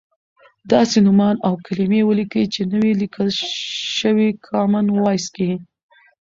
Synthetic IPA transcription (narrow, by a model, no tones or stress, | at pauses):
d̪ɑsenʊmɑnawkʰalimewəlikəjt͡ʃenəwelikʰəlʃəwikʰɑmanwɑjske